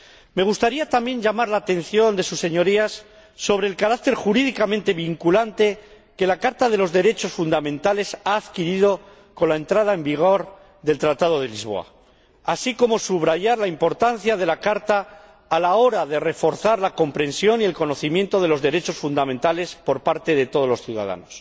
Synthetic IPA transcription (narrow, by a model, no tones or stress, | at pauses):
me̞ɣ̞ust̪aɾiat̪ambje̞ɲʎamaɾlaːt̪e̞n̟θjo̞nd̪e̞suse̞ɲo̞ɾiasː | o̞β̞ɾe̞ːlkaɾakt̪e̞ɾxuɾiðikamẽnt̪e̞βiŋkulant̪e̞ | ke̞lakaɾt̪aðe̞lo̞zðe̞ɾe̞t͡ʃo̞sfund̪amẽ̞nt̪ale̞saːðkiɾiðo̞ | ko̞nlae̞nt̪ɾað̞ae̞mbiɣ̞o̞ɾ | ðe̞lt̪ɾat̪aðo̞ð̞e̞lizβo̞̰a̰ | asiko̞mo̞suβɾaʝaɾlaimpo̞ɾt̪anθjaðe̞lakaɾt̪aː | lao̞ɾaðe̞re̞fo̞ɾθaɾlako̞mpɾe̞nsjo̞nie̞lko̞no̞θimjẽ̞nt̪o̞ð̞e̞lo̞zðe̞ɾe̞t͡ʃo̞sfund̪amẽ̞nt̪ale̞spo̞ɾpaɾt̪e̞ðe̞t̪o̞ð̞o̞zlo̞sθjuða̰ða̰nos